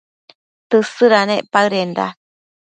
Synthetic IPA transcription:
t̪ɨsɨɾaneʔpaɯɾend̪a̰

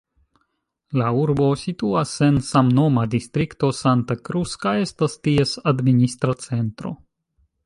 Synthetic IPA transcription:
lauɾbo̞situase̞nsamno̞madistɾikto̞santakɾuskae̞stastie̞sadministɾat͡se̞ntɾo̞̰

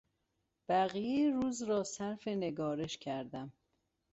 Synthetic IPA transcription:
b̥æɣijeɾuːzɾɒːsæɾfe̞ne̞ɡɒːɾe̞ʃcʰæɾd̪æm

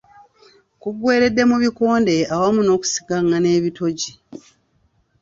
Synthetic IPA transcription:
kuɡwe̞ːɾe̞dːe̞muβiko̞ːnde̞awamuno̞ːku̥si̥ɡaŋɡane̞ːβito̞ɟi

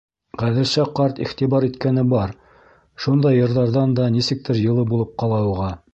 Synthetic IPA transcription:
ʁæðɘ̆lsæqɑɾt̪ḭχt̪iβɑɾit̪kænɘbɑɾ | ʃund̪ɑjːɤ̆ɾðɑɾðɑnd̪ɑnisɘ̆k̚t̪ɘɾjɤ̆lˠɤbulˠɤp̚qɑlˠɑɤ̆ʁɑ

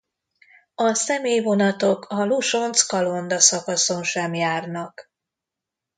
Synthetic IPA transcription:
ɒsɛmeːjvo̞nɒt̪o̞kʰɒluʃo̞nt̪skɒlo̞nd̪ɒsɒkɒso̞nʃɛmjaːrnɒk

